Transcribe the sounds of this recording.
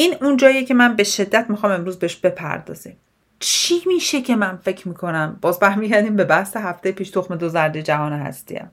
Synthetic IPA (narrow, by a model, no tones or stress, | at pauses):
ʔiːnund͡ʒɒːjecʰe̞mænbe̞ʃe̞d̪ːæt̪mixɒːme̞mɾuːzbeeʃb̥e̞pʰæ̰ɾd̪ɒ̰ːz̥ḭːm | t͡ʃʰimiːʃe̞cʰe̞mænfe̞cʰmiːkʰo̞næmbɒːzbæɾmiːɟæɾd̪iːmbe̞bæhseɦæft̪ʰejpiːʃt̪ʰoxmed̪ozæɾd̪ejd͡ʒæɦɒːneɦæ̰st̪ḭæ̰m